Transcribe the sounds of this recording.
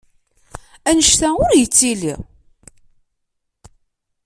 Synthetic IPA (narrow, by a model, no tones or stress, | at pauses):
ænəʃt̪æʊɾjət͡sːilḭ